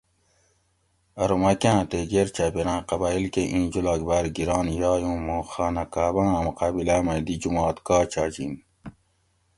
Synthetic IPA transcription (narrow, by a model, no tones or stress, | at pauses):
ɐɾomɐkãːt̪eɡeɾt͡ɕaːpeɾãːqɑbaːilkeʔĩːd͡ʑulaːɡbaːɾɡiɾɑːnjɑːjũːmõːxaːnɐkaːbãːɐmuqaːbilamɐ̃d̪id͡ʑumɑːt̪kaːt͡ɕaːd͡ʑin